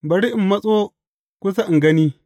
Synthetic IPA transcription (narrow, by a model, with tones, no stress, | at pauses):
bɐ˨ɽi˦ʔɪ˨mːɐ˦sʼoː˦ | kʷʊ˦s̬a˦ʔɪ˨ŋɡɐ˦niː˦